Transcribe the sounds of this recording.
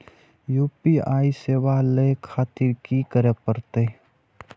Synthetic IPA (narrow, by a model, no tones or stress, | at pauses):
juːpiaːiseːʋalekʰaːt̪ɪɾkikəɾepəɾt̪e